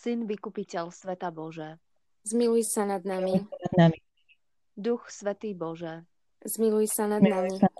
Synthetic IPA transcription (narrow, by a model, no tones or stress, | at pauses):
sinʋikupicɛlsʋɛt̪abɔʒɛː | zmilujsanad̪namiadnami | d̪uxsʋɛt̪iːbɔʒɛː | zmilujsanad̪nami